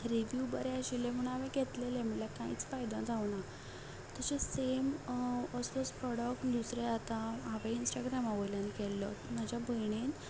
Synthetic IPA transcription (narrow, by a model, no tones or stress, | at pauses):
ɾiʋjubəɾɛaɕilem̤əɽ̃aʋẽɡʱet̪lelem̤əlakãḭːt͡sfajd̪ãd͡zawna | t̪aɕesemɔsospɾɔɽək̚ʈd̪usɾed͡zat̪aaʋẽinsʈaɡɾamaʋəjlanikɛlːɔ̰t̪mad͡ʑjabəjɳen